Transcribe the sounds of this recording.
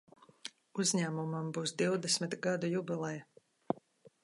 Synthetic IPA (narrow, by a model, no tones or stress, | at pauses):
uzʲɲæːmumambuːsd̪iwd̪ɛsmit̪ɡad̪ujubʲilˠɛj